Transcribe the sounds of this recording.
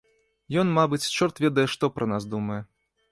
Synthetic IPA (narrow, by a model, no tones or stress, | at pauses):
jɔnmabɨt͡sʲt͡ʂɔrt̪vʲɛd̪ɐjɛʂt̪ɔpɾʔɐnasd̪umɐjɛ